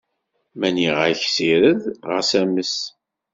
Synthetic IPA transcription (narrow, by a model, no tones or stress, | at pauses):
mæniʁəçsiɾəðʁəsæməs